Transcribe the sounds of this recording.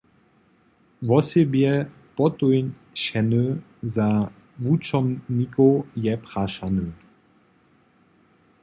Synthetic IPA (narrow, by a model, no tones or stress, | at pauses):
vɔsebjɛ | pɔt̪ujn | ʃɛnø | za | vut͡ʃɔmnikojɛpʁaʃanø